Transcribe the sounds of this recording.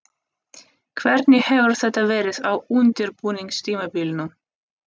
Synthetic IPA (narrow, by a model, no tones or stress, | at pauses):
kʰvɛɾt̪nihɛːvəɾθɛt̪ːaveːɾɪðawʉnt̪ɪɾpuːnɪŋst̪ʰiːmabiːlnəm